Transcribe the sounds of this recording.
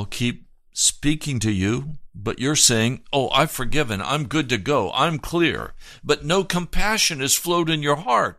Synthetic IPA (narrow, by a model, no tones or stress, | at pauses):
lˠkʰip̚ | spikɪ̃ŋtɨjʉbʌt͡ʃə˞seɪɪ̃ŋʔoʊʔa̰ɪfə˞ɡɪvɨ̃nã̰ɪ̃mɡʊd̚tɨɡoʊʔã̰ɪ̃mkʰl̥ɪ̰ɹb̥ʌtⁿnoʊkʰə̃mpʰæʃɨ̃nɨz̥floʊɾɨ̃njə˞hɑɹt̚